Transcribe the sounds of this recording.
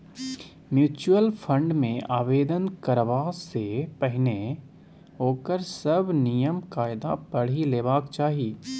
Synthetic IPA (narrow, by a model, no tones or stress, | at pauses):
mjuːt͡ʃuəlpʰə̃ɳɖmẽaːʋeːd̪ənkəɾʋasepɛɦɪne | ɦoːkəɾsɐbnijəmkaːɪd̪a̰pɐɽ̤ileːbaːkt͡ʃaːɦiiː